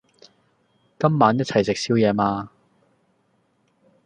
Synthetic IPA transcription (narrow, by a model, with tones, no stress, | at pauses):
kɐ˥mːaː˨˥njɐ˥t̚t͡sʰɐ˨˩jsɪ˨k̚si˥wjɛː˨˧maː˧